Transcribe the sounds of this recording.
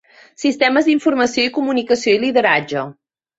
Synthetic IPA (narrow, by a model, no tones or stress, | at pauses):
sist̪ɛməzd̪iɱfuɾməsioikumunikəsioiliðəɾad͡ʒə